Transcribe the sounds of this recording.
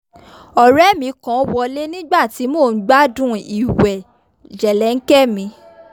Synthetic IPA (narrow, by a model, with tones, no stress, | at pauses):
ɔ˨ɾɛ˦mĩ˨˧˦kã˨˦wɔ˧le˦nĩ˦ɡ͡ba˦˨ti˨˧˦mo˦˨n̩˦ɡ͡ba˦dũ˦i˨wɛ˨ | d͡ʒɛ˨lɛ˨˦ŋ̩˦kɛ˦mĩ˧˦